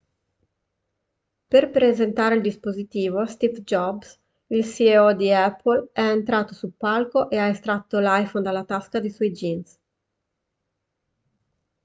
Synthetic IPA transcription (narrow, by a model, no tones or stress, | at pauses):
perpɾezent̪aːɾeild̪ispozit̪iːvost̪ifd͡ʒɔbs | ilsieɔd̪iɛpːolɛent̪ɾaːt̪osupːalkoʔeaest̪ɾat̪ːolajfond̪alːat̪askad̪isɔjd͡ʒins